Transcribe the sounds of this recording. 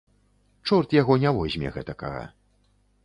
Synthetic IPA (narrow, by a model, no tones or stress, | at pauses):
t͡ʂɔrt̪jaɣɔnʲavɔzʲmʲɛ̰ɣɛ̰t̪ɐka̰ɣa̰